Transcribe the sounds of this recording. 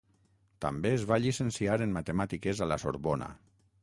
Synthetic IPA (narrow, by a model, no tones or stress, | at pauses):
t̪a̰mbeːzβaʎisensiaɾenmat̪emat̪ikezalaso̰ɾβona̰